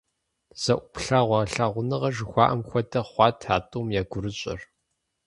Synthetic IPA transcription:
z̥ɐʔʷʊpɬaːʁʷɑːɬaːʁʷʊnɨʁɐʒɨxʷɑːʔɐmxʷɔdʰɐχʷɑːtʰaːtʼuːmjaːɡʷʊɾɨɕʼɪ̰r

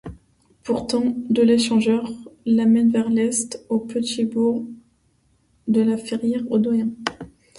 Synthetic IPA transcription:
puʁt̪ɑ̃d̪əleʃɑ̃ʒœʁlamɛnvɛʁlɛst̪opət̪ibuʁ | d̪əlafeʁjɛʁod̪wajɛ̃

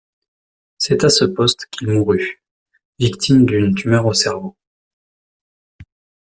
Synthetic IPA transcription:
sɛt̪asəpɔst̪kʰʲilmuʁy | vikt̪ʰimd̪ynt̪ymœʁosɛʁvo

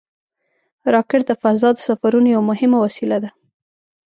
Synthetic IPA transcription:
ɾɑkɪɽd̪əfazɑd̪əsafaɾunojawamʊɦɪmawasilad̪a

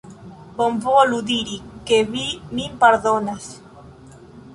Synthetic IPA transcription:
bomvoaluðiɾikeβimimpaɾðonas

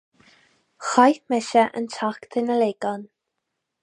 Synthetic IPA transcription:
xajθmɛʃɛʔə̰ntʰaktʰənəleːɡ̥ɔn

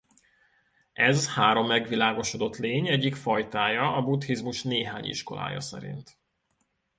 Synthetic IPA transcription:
ʔɛzhaːɾo̞mːɛɡʋilaːɡo̞ʃod̪o̞t̪leːɲɛɟːikfɒjt̪aːjɒʔɒbut̪hizmuʃneːɦaːɲḭʃko̞la̰ːjɒ̰sɛ̰ɾḭnt̪

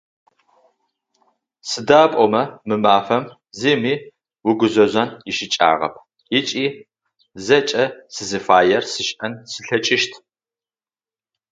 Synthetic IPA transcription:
sɨdaːpʷʼɔmɐmɨmaːfɐm | ziːmiː | wʊɡʷʊzɐzʷɐnjɪʃɪt͡ʃʼa̰ːʁɐ̰p̚ʰ | jɪt͡ʃʼiː | zɐt͡ʃʼɐsɨzɨfaːjɛrsɨʃʔɐnsɨɬɐt͡ʃʼɪʃtʰ

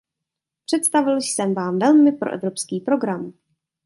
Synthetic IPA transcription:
pr̝̥ɛt̪st̪avɪlʃsɛmvaːmvɛlmɪpɾoʔɛ̰vɾo̞pskiːpɾo̞ɡɾam

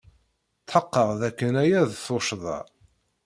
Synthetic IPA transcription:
θħəqːəʁðækːənæjæðθoʃðˤɑ̰

